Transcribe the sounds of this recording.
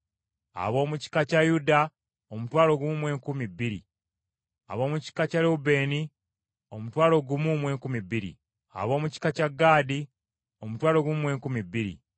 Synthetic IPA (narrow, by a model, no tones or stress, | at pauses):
a̰βo̞ːmuci̥kacajuda | omutwaːlo̞ɡumwe̞ːŋkumibːiɾḭ | a̰βo̞ːmuci̥kacalobe̞ːni | omutwaːlo̞ɡumumwe̞ːŋkumibiɾḭ | a̰βo̞ːmuci̥kacaɡːaːdi | o̞mutwaːlo̞ɡumwe̞ːŋkumibːiɾḭ